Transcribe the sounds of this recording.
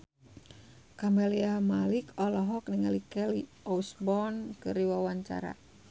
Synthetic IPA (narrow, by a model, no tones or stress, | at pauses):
kamɛliamalikɔlɔɦɔk̚niŋalikɛli | ɔusbɔnkɨɾiwawaɲt͡ʃa̰ɾa̰